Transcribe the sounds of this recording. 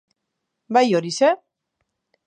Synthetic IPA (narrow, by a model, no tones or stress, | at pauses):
bajo̞ɾise